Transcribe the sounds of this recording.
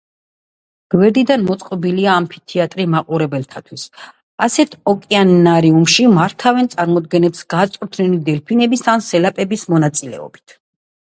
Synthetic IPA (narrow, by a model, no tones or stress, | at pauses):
ɡ̥wɛɾd̪id̪anmɔt̪sʼqʼɔbiliaːmpʰi̥t̪ʰiat̪ʼɾimaqʼuɾɛbɛlt̪ʰat̪ʰwis | asɛt̪ʰɔkʼɛanːaɾiumʃimaɾt̪ʰavɛnt̪sʼaɾmɔd̪ɡɛnɛpsɡ̥at̪sʼuɾt̪ʰnɛlid̪ɛlpʰinɛbisʰansɛlapʼɛbismɔnat̪sʼilɛ̰ɔ̰bi̥t̪ʰ